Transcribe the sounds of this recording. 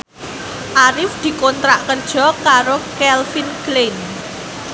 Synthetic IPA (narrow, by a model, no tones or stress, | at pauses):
ʔaɾɪfd̪̥i̤kont̪ɾaʔkərd̥ʒ̥ɔ̤kaɾokɛlfinklen